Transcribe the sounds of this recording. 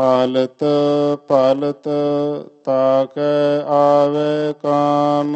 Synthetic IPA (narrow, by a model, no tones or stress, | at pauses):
aːlət̪paːlət̪ | t̪aːkeaːʋeːkaːn